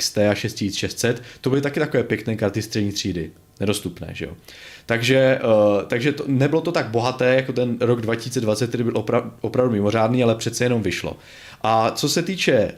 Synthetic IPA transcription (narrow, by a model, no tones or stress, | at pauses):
st̪ɛaʃɛst̪csit͡sʃɛst̪sɛt̪ːo̞bɪlɪt̪akɪt̪ako̞vɛːpjɛknɛːkaɾt̪ɪst̪r̥ɛdɲiːt̪r̝̥iːdɪ | nɛdo̞st̪upnɛ̰ːʒɛ̰jo̰t̪aɡʒɛt̪aɡʒɛt̪onɛbɪlo̞t̪o̞t̪aɡ̚bo̞ɦat̪ɛːjako̞t̪ɛnɾoɡdvacɪsiːt͡sɛdvat̪t͡sɛt̪̚t̪ːɛdɪbɪlʔopɾaʔopɾavdumɪmo̞r̝aːdniːalɛpr̥ɛt̪t͡sɛjɛno̞mvɪʃlo̰ | ʔat͡so̞sɛt̪iːt͡ʃɛ